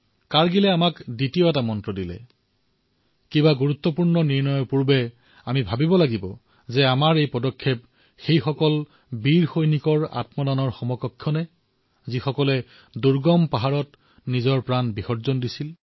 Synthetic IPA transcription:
kaɹɡilɛamakditioɛtamɔntɹɔdilɛ̰ | kibaɡuɹut̪ːɔpuɹnɔniɹnɔjɔpuɹbɛ | amibʱabibɔlaɡibɔ | zɛamaɹejpɔdɔkʰːep̚ | xejxɔkɔl | biɹxojnikɔɹa̰tmɔdanɔɹxɔmɔkɔkʰːjɔnɛ | zixɔkɔlɛ | duɹɡɔmpaɦaɹɔt | nizɔɹpɹanbixɔɹzɔndisil

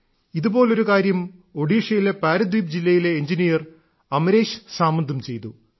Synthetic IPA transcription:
iðubo̞ːlo̞ɾukaːɾjɐmo̞ɖiːʂɐjile̞paːɾɐd̪iːpd͡ʑilːɐjile̞ːɲd͡ʑinijɐr | ɐmɐɾe̞ːɕɨ̥saːmːɐnd̪ʱːɐmt͡ɕe̞jt̪u

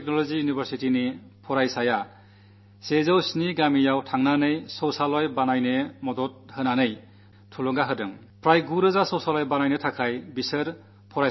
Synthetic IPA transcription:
ek̚nɔlɔzijunibʱəɾsitini | pʰɔɾajsaja | sezawsniɡamijawtʰaŋnanɯjsɔwsalɔjbanajnemɔdɔt̚hɯnanɯj | tʰulɔŋɡaɦɯdɯŋ | pʰɾajɡuɾɯzasɔwsalɔjbanajnetʰakʰajbisɯɾ | pʰɔɾa

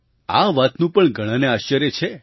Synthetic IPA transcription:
aʋat̪nũpəɳɡʱəɽ̃ãneaʃt͡ʃəɾjət͡ʃʰe

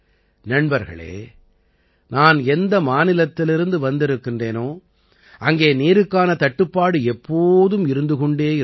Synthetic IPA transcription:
nɐɳbɐɾɣɐ̰ɭḛː | naːnɛnd̪ɐmaːnɪlɐt̪ːɪlɪɾɯnd̪ɯʋɐnd̪ɪɾɯkːɪndreːnoː | ʔɐŋɡeːniːɾɯkːaːnɐt̪ɐʈːɯpːaːɽɯɛpːoːðɯmɪɾɯnd̪ɯkɔɳɖeːɪ

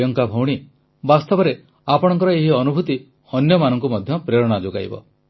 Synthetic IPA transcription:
jɔŋkabʱɔwɽ̃i | bast̪ɔbɔɾe | apɔɽ̃ɔŋkɔɾɔeɦiɔnubʱut̪i | hɔnjɔmanɔŋkumɔd̪ʱjɔpɾeɾɔɽ̃ad͡ʒoɡa̰jbɔ̰

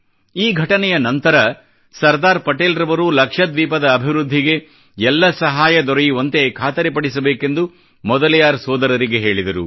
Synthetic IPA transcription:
iːɡʱɐʈɐnɛjɐnɐnt̪ɐɾɐ | sɐɾd̪aːɾpɐʈeːlɾɐʋɐɾulɐkʂɐd̪ʋiːpɐd̪ɐːbʱiʋɾud̪ʱːiɡe̞ | ɛlːɐsɐɦaːjɐd̪ɔɾɐjuʋɐnt̪ekʰaːt̪ɐɾepɐɽisɐbeːke̞nd̪u | mɔd̪ɐlijaːɾsɔːd̪ɐɾɐɾiɡe̞ɦe̞ːɭid̪ɐɾṵ

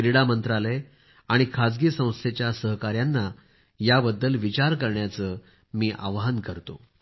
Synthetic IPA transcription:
ɾiɽamənt̪ɾale | aɽ̃ikʰad͡zɡiːsə̃w̃st̪ʰjet͡ɕjasəɦkaɾjanːa | jabəd̪ːəlʋit͡ɕaɾkəɾɳjat͡səː | miːʔa̰ʋɦankəɾt̪o

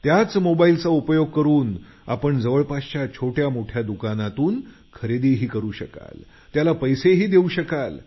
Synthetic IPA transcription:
t̪jat͡smobailt͡saupəjoɡ̚kəɾuːn | a̰pəɳd͡zəʋəɭpast͡ɕat͡ɕʰoʈʰjamoʈʰjad̪ukanat̪uːn | kʰəɾed̪iɦiːkəɾuːɕəka̰l | t̪jalapəjseɦiːd̪euɕəkal

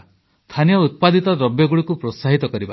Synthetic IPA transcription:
st̪ʰanijɔut̪̚pad̪it̪ɔd̪ɾɔbjɔɡuɭikupɾosaɦit̪ɔkɔɾiba̰

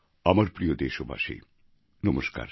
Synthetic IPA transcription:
amaɾpɾijod̪eʃobʱa̰ʃḛj | nɔmoʃka̰ɾ

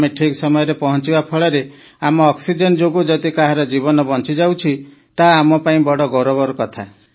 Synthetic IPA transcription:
meʈʰiksɔmɔjɔɾepɔɦɔ̃nt͡ʃibapʰɔɭɔɾe | amɔːksid͡ʒend͡ʒoɡud͡ʒɔd̪ikaɦaɾɔd͡ʒibɔnɔbɔnt͡ʃid͡ʒawt͡ʃʰi | t̪aːmɔpaĩbɔɽɔɡɔɾɔbɔɾkɔt̪ʰa

